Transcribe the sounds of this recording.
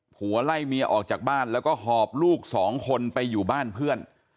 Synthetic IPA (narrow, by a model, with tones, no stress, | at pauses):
hu˩˦ɐla˥˩jmi˧ɐʔɔ̰ː˨˩k̚t͡ɕaː˨˩k̚baː˥˩nlɛː˦˥wkɔː˥˩ɦɔː˧˩p̚luː˥˩k̚sɔː˩˦ŋkʰo˧npa˧jːuː˨˩baː˥˩npʰɯ˥˩ən